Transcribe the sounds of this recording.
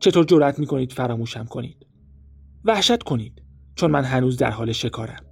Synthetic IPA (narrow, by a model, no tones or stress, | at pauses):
t͡ʃʰe̞t̪ʰoɾd͡ʒo̞ɾʔæt̪ʰmiːkʰo̞niːd̪̥fæɾɒːmuːʃæmkʰo̞nḭːd̪̥ | væhʃæt̪kʰo̞niːd̪̥ | t͡ʃʰonmænɦænuːzd̪æ̰ɾɦɒːleʃe̞kʰɒːɾæm